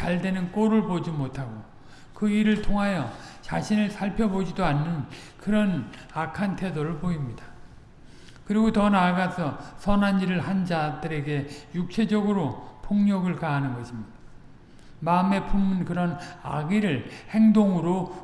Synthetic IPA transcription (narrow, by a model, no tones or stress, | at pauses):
t͡ɕaɭde̞nɯnk͈oɾɯɭpod͡ʑimotʰaɡo | kɯiɾɯɭtʰoŋɦajʌt͡ɕaɕʰinɯɭsʰaɭpʰjʌbod͡ʑidoanːɯn | kɯɾʌnakʰantʰe̞doɾɯɭpoimɲida | kɯɾiɡotʌnaɭɡasʰʌsʰʌnaniɾɯɭhand͡ʑadɯɾe̞ɡe̞juk̚t͡ɕʰe̞d͡ʑʌɡɯɾopʰoŋɲʌɡɯɭkaɦanɯnɡʌɕʰimɲida | maɯme̞pʰumːunkɯɾʌna̰ɡiɾɯɭhe̞ŋdoŋɯɾo